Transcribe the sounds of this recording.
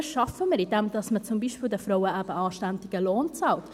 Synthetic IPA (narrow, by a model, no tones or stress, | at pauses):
ʃɑfəməɾidɛmd̥̪ɑsmət͡sʊmbiːʃpiːlˠdəfɾoʊwəʔæb̥əɑːʃtæntɪɡ̥əloːnt͡sɑlt